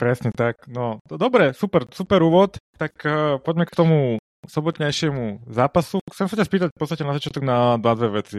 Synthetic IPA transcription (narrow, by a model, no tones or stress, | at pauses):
pɾɛsɲɛt̪aknɔd̪ɔbɾɛsupɛɾsupɛɾuːʋɔt̪t̪ːakpɔɟmɛkt̪ɔmu | sɔbɔt̪ɲajʃɪɛmuzaːpasuxt͡sɛmsacaspiːt̪ac̚pɔt̪st̪acɛnazat͡ʃɪat̪ɔɡnad̪ʋad̪ʋɛʋɛt͡si